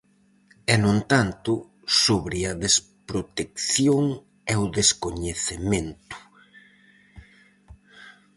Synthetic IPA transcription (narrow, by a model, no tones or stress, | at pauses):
ɛnõnt̪ant̪ʊ | soβɾɪɐðes | pɾot̪ek̚θjoŋ | ɛʊðeskoɲeθemẽnt̪ʊ̥